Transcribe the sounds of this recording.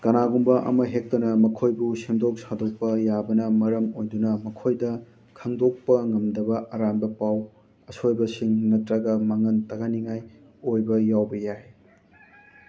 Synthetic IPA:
kɐnaɡumbɐʔɐ̰mɐɦek̚tɐnɐmɐkʰojbusemdok̚sadok̚pɐjabɐnɐmɐɾɐmojdunɐmɐkʰojdɐ | kʰɐŋdok̚pɐŋɐmdɐbɐʔaɾambɐpaw | ɐsojbɐsiŋnɐtɾɐɡɐmaŋɐntɐɡaniŋaj | ojbɐjawbɐjaɦi

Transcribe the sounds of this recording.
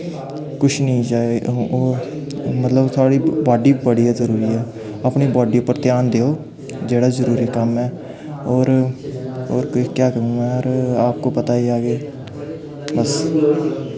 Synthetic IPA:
kʊʃʰnĩːd͡ʒaːeː | mət̪ləbt̪ʰʊaːɽiːbaːɖiːbəɽijaːzəɾuːɾiːɛː | aːpɳiːbaːɖiːʊpːəɾt̪jaːnd̪eːoː | d͡ʒeːɽaːzəɾuːɾiːkəmɛː | oːɾ | oːɾkkjaːkəɾũːɡɛːɔɾaːp̚koːpət̪aːiːaːɡeː | bəs

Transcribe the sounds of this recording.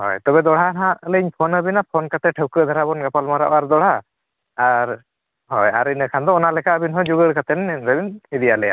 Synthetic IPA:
hɔ̰jt̪ɔbɛd̪ɔɽ̤anãʔlɛiɲpʰɔnəbinapʰɔnkat̪ɛʈʰəwkəd̪ʱaɾabɔnɡapalmaɾa̰ʔɔaɾd̪ɔɽ̤aː | ɾ | hɔjaɾinɯkʰand̪ɔɔnalɛkaəbinɦɔjd͡ʒuɡəɾkat̪ɛnnɾəbinid̪ijalɛja̰

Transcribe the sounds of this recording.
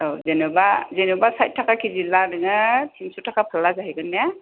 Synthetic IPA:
ɔzɛnɛbazɛnubasajt̚tʰːakakʰizilanɯŋɯtʰimsutʰakapʰalazaɦikɯnːɛja

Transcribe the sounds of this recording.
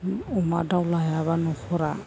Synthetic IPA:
ɔmadawlajaβanɔkɔɾa

